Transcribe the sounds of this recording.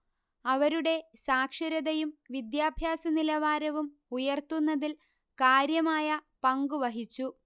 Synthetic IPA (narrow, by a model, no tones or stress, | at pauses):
ɐʋɐɾuɽe̞saːkʂɐɾɐðɐjumʋid̪jaːbʱjaːsɐnilɐʋaːɾɐʋum | ujɐrt̪unːɐðil | kaːɾjɐmaːjɐpɐŋɡuʋɐɦit͡ɕːu